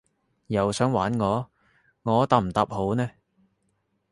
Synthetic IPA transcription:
jɐ˨wsœː˨˥ŋwaː˨˥nŋɔː˨˧ | ŋɔː˨˧t̪a˨m̩˨˩t̪ɐ˨˧p̚ho˨˥wnɛː˥

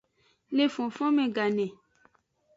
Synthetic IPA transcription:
le˨fɔ̃˨fɔ̃˦mɛ̃˨ɡa˨nɛ̃˨

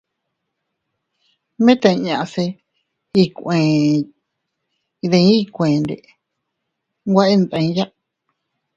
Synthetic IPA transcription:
mẽ˦t̪ã˧ɲã˧ʔse˧ | i˧kʷẽ˨ | i˧ðẽ˧ĩ˦˧kʷẽ˨nɾḛ˨ʔ | ɡʷa˦ʔe˦nd̪ã˧ĩ˧˦ja˦ʔ

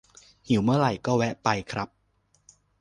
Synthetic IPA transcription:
hi˨˩˦wmɯ˥˩ɐɾa˨˩jkɔː˥˩wɛ˦˥ʔpa˧jkʰɾa˦˥p̚

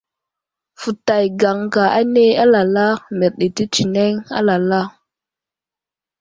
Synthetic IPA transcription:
fu˨ta˨jɡa˨ŋka˨a˦ne˦a˦la˨la˦me˨ɾɗi˨ti˦t͡ʃi˨ne˦ŋa̰˦la˨la˦

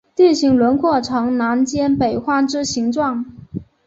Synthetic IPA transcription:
t̪i˥˩nɕi˧˥ŋlwə˧˥nkʰwɔ˥˩ʈ͡ʂʰɑ˧˥ŋna˧˥nt͡ɕjɛ˥npe˨˩ɪxwa˥˩ʈ͡ʂɻ̩˥ɕi˧˥ŋʈ͡ʂwɑ˥˩ŋ

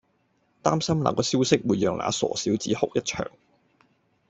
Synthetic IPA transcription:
t̪aː˥msɐ˥mla̰˨˩kɔː˨˧si˥wsɪ˥k̚wuː˨˧jːœː˨ŋla̰ː˨˧sɔ̰ː˨siː˨˥wt͡siː˨˥hʊ̰˨˥k̚jɐ˥t̚t͡ʃʰœ̰ː˨˩ŋ

